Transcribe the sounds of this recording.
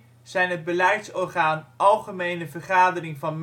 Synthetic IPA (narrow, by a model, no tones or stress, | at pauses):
z̥ɛjnɦəd̚bəlɛjtsɔrχaːnʔɑlˠχəmejnəvərχaːdərɪŋvɑnm